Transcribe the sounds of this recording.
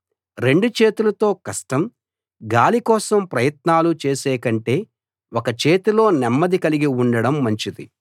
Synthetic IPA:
ɾe̞ɳɖut͡ʃe̞ːt̪ulɐt̪o̞ːkɐʂʈɐm | ɡaːlikɔːsɐmpɾɐjɐt̪̚naːlut͡ʃe̞ːsɛːkɐɳʈe̞ː | wokɐt͡ʃeːt̪ilo̞ːnɛmːɐd̪ikɐliɡiuɳɖɐɽɐmːɐɲt͡ʃid̪i

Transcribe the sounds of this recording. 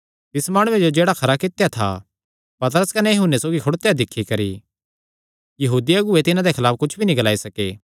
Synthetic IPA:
t̪ɪsmaːɽ̃ʊ̃ed͡ʒod͡ʒeːɽakʰɐɾakɪt̪ejat̪ʰa̰ | pɐt̪ɾəskɐnɛjɐɦʊnːesoːɡikʰʊɽt̪ejad̪ɪkʰːikɐɾi | jɐɦuːd̪ijaɡʊet̪ɪnãd̪ekʰɐlaːpkʊt͡ʃʰbʱinĩɡɐlaːisɐkeː

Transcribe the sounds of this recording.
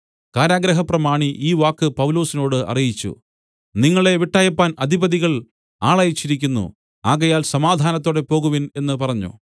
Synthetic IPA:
kaːɾaːɡɾɐɦɐprɐmaːɳiʔiːʋaːkːɨpɐʋlo̞ːsino̞ːɽɨɐ̰rijit͡ɕːṵ | niŋːɐɭe̞ʋiʈːaːjɐpːaːnɐd̪ʱibɐðiɣɐɭ | aːɭajit͡ɕːiɾikʲːunːṵ | aːɣɐjaːlsɐmaːd̪ʱaːnɐt̪ːo̞ːɽe̞po̞ːɣuʋine̞nːɨpɐrɐɲːṵ

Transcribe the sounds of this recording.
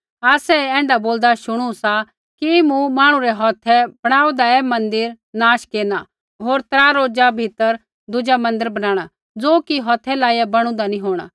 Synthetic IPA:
aːsɛɛ̃ːɳɖaboːld̪aʃʊɽ̃usa | kimũmaːɽ̃ũɾɛɦɔːt̪ʰɛb̥ɐɽ̃aːud̪aɛːmɐ̃nd̪ɪɾ | naːʃkeːna | ɦoːɾt̪ɾaːɾoːd͡ʒabʱɪt̪əɾ | d̪ʊd͡ʒamɐ̃nd̪ɪɾbɐnãːɽ̃a | d͡zoːkiɦɔːt̪ʰːɛlaːiabɐɽ̃ũd̪anĩɦoːɽ̃a̰

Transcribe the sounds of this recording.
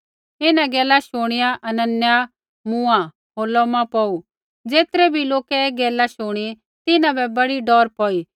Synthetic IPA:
ɪnãɡɛːlaʃʊːɽ̃ɪjaʔɐnənja | mũːã | ɦoːlɔmãpɔu | d͡zeːt̪ɾɛbʱiloːkɛeːɡɛːlaʃʊːɽ̃i | t̪ɪnãbɛbɐɽiɖɔːɾpɔːiː

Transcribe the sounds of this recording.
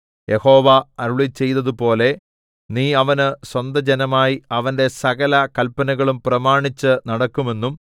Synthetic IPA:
jʔe̞ho̞ːʋɐɐɾuɭit͡ɕːe̞jt̪ɐðupo̞ːle̞ | niːɐʋɐnɨswɐnd̪ɐd͡ʑenɐmaːjiɐʋɐnde̞sɐɣɐlɐkɐlpɐnɐɣɐɭumprɐmaːɳit͡ɕːɨnɐɽɐkːume̞nːum

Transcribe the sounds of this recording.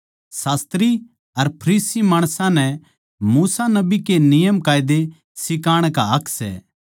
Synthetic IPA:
saːst̪ɾi | ɐɾpʰɐɾiːsimaːɽ̃sãnɛ | muːsanɐbikenɪjəmkaːjɪd̪e | sɪkaːɽ̃kaɐkʰsɛ̰ː

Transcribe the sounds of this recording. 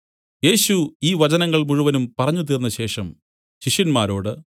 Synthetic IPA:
je̞ːɕuiːʋɐt͡ɕɐnɐŋːɐɭmuɻuʋɐnumpɐrɐɲːut̪̬iːrnːɐɕe̞ːʂɐm | ɕiʂjɐnmaːɾo̞ːɽɨ

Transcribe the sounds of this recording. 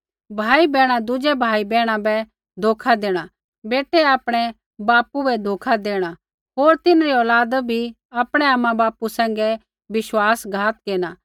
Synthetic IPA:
bʱaːibɛːɽ̃ãd̪ʊd͡ʒɛbʱaːibɛːɽ̃ãbɛ | d̪ʱoːkʰad̪eːɽ̃a | beːʈːɛaːpɽ̃ɛ | baːpubɛd̪ʱoːkʰad̪eːɽ̃a | ɦoːɾt̪ɪnɾiɔːlaːd̪bʱi | apɽ̃ɛaːmãbaːpusɛ̃ːŋɡɛ | ʋɪʃwaːsɡʱaːt̪keːñaː

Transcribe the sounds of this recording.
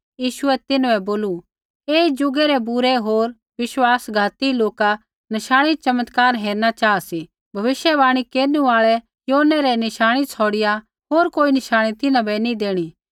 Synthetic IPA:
jiːʃʊɛt̪ɪnɛboːlu | eːid͡ʒʊɡɛɾɛbʊɾɛɦoːɾ | ʋɪʃwaːsɡʱaːt̪iloːka | nɐʃaːɽ̃it͡ʃɐmət̪kaːɾɦeːɾnat͡ʃaːasi | bʱɐʋɪʃjɛbaːɽ̃ikeːɾnũaːɭɛ | joːnɛɾɛnɪʃaːɽ̃it͡sʰɔːɽɪja | ɦoːɾkoːinɪʃaːɽ̃it̪ɪnãbɛnid̪eːɽ̃i

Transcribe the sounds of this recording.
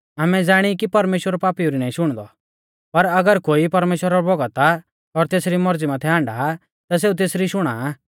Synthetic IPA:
aːmɛd͡zaːɽ̃ikipɐɾmeːʃwəɾɔpaːpiuɾinaːĩʃʊɽ̃d̪ɔ̰ | pɐɾɐɡəɾkoːipɐɾmeːʃwəɾaɾɔbɔɡət̪a | ɔɾt̪eːsɾimɔɾd͡zimãt̪ʰɛɦãːɳɖaː | t̪as̬eːut̪̬eːsɾiʃʊɽ̃a̰

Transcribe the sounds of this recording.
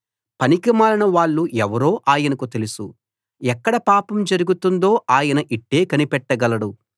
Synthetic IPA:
pɐnikimaːɾɐnɐʋaːɭːuʔɛʋɐɾo̞ːʔaːjɐnɐkut̪e̞lisṵ | ɛkːɐɽɐpaːpɐmd͡ʒɐɾuɡut̪und̪o̞ːaːjɐnɐʔiʈːe̞ːkɐnipɛʈːɐɡɐlɐɽu

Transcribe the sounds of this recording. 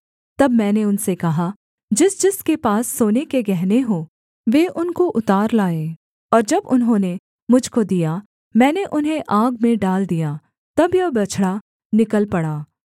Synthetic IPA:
t̪ɐbmɛ̃ːneʊnsekɐɦa | d͡ʒɪsd͡ʒɪskepaːsːoːnekeɡɛɦneɦoː | ʋeːʔʊnkoʔʊt̪aːɾlaːeː | ɔːɾd͡ʒɐbʊnɦõːne | mʊd͡ʒʱkod̪ija | mɛ̃ːneʔʊnɦẽʔaːɡmẽɖaːld̪ijaː | t̪ɐbjɐbɐt͡ʃʰɽa | nɪkəlpɐɽaː

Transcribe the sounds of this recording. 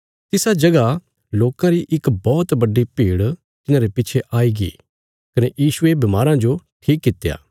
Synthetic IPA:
t̪ɪsad͡ʒɐɡa | loːkãɾiʔɪkbɔːt̪bɐɖːipiːɽ | t̪ɪnãːɾepɪt͡ʃʰeʔaːiɡḭː | kɐnejiːsʊebɪmaːɾãd͡ʒoʈʰiːkːɪt̪ːeja̰ː

